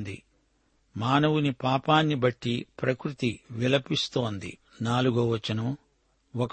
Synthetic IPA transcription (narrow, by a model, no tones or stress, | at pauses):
nd̪ḭ | maːnɐwunipaːpaːnːibɐʈːipɾɐkɾut̪iʋilɐpist̪o̞ːnd̪ḭ | naːluɡoʋɐt͡ʃːɐnɐm | ɔk